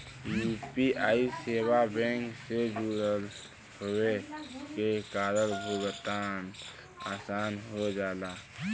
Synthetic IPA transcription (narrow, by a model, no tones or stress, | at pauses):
juːpiʔaːiseːwabɛ̃ːŋksed͡ʒuːɾəl | hʊekekaːd̪əɾbʱubət̪aːn | a̰ːsaːnɦod͡ʒaːlaː